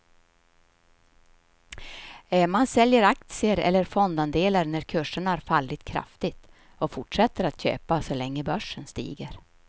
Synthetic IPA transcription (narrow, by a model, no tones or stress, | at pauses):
mansɛljəɾak̚t̪sɪəɾɛ̰lːəɾfɔnd̪and̪eːlaɾnæɾkʰɵʂːəɳaæɾfalːɪt̪kʰɾa̰ft̪ɪɡt̪ | ɔfʊʈʂɛt̪ːəɾat̪ɕø̰ːpasɔlɛŋːəbœʂːənst̪ḭːɡəɾ